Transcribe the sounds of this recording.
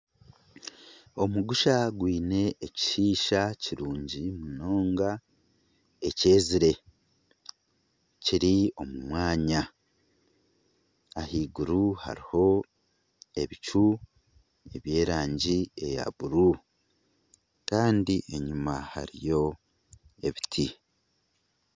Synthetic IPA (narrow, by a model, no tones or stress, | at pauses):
o̞muɡuʃaɡwiːne̞ːci̥ʃiːʃaciɾuːɲɟimuno̞ːŋɡa | e̞ce̞ːziɾe̞ | ciɾio̞mumwaːɲa | hiːɡuɾuha̰ɾiho̞ | e̞βit͡ʃu | e̞βje̞ːɾaːɲɟie̞ja̰βuɾu | kaːndiʔe̞ɲumaha̰ɾijo̞ | e̞βitʰi